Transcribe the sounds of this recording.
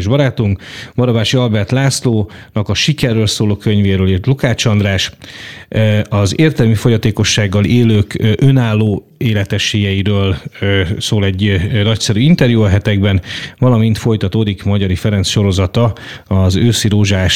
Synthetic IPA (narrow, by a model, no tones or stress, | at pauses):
ʒbɒɾaːt̪uŋkbɒɾɒbaːʃiɒlbɛrt̪laːsloːnɒkɒʃikɛrːøːlsoːloːkø̞ɲveːɾøːlirt̪lukaːt͡ʃɒnd̪raːʃ | ɒzeːrt̪ɛlmifo̞ɟɒt̪eːko̞ʃːaːɡːɒleːløːkʔønaːlːoː | eːlɛt̪ɛʃeːjɛjiɾøːl | soːlɛɟːnɒc̪sɛɾyːint̪ɛrjuɒɦɛt̪ɛɡbɛnvɒlɒmint̪fo̞jt̪ɒt̪oːd̪ikmɒɟɒɾifɛɾɛnsʃo̞ɾo̞zɒt̪ɒɒzøːsiɾoːʒaːʃ